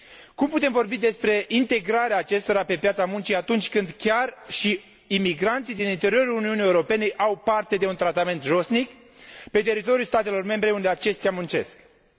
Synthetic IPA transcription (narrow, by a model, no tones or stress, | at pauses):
kumput̪e̞mvo̞rbid̪e̞spɾe̞ʔint̪e̞ɡɾaɾeaːt͡ʃe̞st̪o̞ɾape̞pjat̪samunt͡ʃiat̪unt͡ʃʲkɨnd̪kʲarʃi | imiɡɾant̪sid̪inint̪e̞ɾio̞ɾuluniunijeuɾo̞pe̞ne̞ʔawpart̪e̞d̪e̞unt̪ɾat̪ame̞nt̪ʒo̞snik | pe̞t̪e̞ɾit̪o̞ɾiulst̪at̪e̞lo̞rme̞mbɾe̞und̪eat͡ʃe̞st̪iamunt͡ʃe̞̰sk